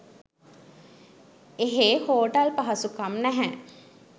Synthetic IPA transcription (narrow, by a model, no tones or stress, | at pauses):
eɦehoːʈɐlpaɦɐsukamnæɦɛ